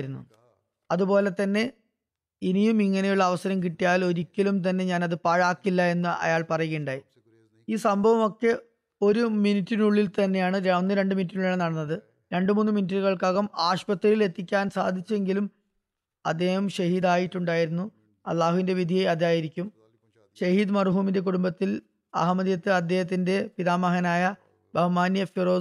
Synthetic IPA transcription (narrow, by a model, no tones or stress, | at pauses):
ɾunːṵ | ɐðupo̞ːle̞t̪ɐnːe̞ | inijumiŋːɐnejuɭːɐːʋɐsɐɾɐmk̬iʈːijaːlo̞ɾikʲːɐlumt̪̬ɐnːe̞ɲaːnɐðɨpaːɻaːkːilːɐe̞nːɨɐ̰jaːɭpɐrɐjeːɳɖaːji | iːsɐmbʱɐʋɐmo̞kːe̞ | o̞ɾuminitːinuɭːilt̪ɐnːe̞jaːɳɨɾnːɨɾe̞ɳɖɨminit̬ːinuɭuɭːɐnɐɽɐnːɐðɨ | ɾe̞ɳɖɨmuːnːɨminit̬ːɐɾuɣɐɭkaːɣɐmaːɕpɐt̪ːɾɐile̞t̪ːikʲːaːnsaːd̪ʱit͡ɕːue̞ŋɡilum | ɐd̪ːe̞ːhɐmɕɐɦiːd̪aːjitːuɳɖaːjiɾunːu | ɐ̰lˠːaːɦuʋinde̞ʋid̪ʱijeɐd̪aːjiɾikʲːum | ɕɐɦiːd̪mɐrɦuːminde̞k̬uɽumbɐt̪ːil | ɐ̰ɦɐmɐðjɐt̪ːɨɐd̪ʱːje̞ːɦɐt̪̬ːinde̞piðaːmɐɦɐnaːjɐ | bʱɐhɐmaːnjɐfiro̞ː